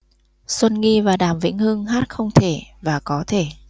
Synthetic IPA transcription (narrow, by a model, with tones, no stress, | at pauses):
sə˧nŋi˧vaː˨˩ɗaː˨˩mvḭ˧˥ŋ̟hɨ˧əŋɦaː˦˥t̚xə˧wŋ͡mt̪ʰe˧˩vaː˨˩kɔ˨˦t̪ʰe˧˩